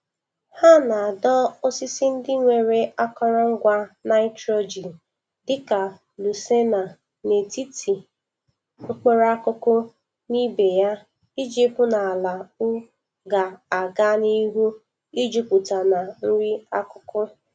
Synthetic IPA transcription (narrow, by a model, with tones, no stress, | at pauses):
ha˦na˨dɔ˦o˦sɪ˦sɪ˦n̩˦dɪ˦ŋʷe˨ɾe˨a˦kɔ˦ɾa˦ŋ̩˦ɡʷa˦na˦ɪ˦tɾo˦d͡ʒi˨ | dɪ˦ka˨ | lu˨se˦na˨ | ne˨ti˦tʰi˨ | o˦k͡pe˦ɾa˦kʊ˦kʊ˦ | ni˦be˨ja˦ | i˦d͡ʒi˦pʊ˦na˨a˨la˨ʊ˦ | ɡa˨a˨ɡa˦ni˦ɦu˦ | i˦d͡ʒu˦pu˨ta˨na˨n̩˦ɾi˦a˦kʊ˦kʊ˦